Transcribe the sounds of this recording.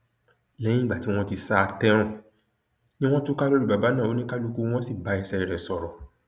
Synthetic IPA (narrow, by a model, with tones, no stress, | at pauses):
lɛ̃˨˦ĩ˦ɡ͡ba˨ti˨˦w̃ɔ̃˦ti˧sa˦˧tɛ˦ɾ̃ã˦˨ | nĩ˦w̃ɔ̃˦tu˦ka˦lo˦ɾi˦ba˨ba˨˦nãː˦˨o˨˦nĩ˦ka˦lu˧ku˦˧˦w̃ɔ̃˦si˦˨ba˧ɛ˧sɛ˧i˨ɾɛ˨sɔ˨ɾɔ˨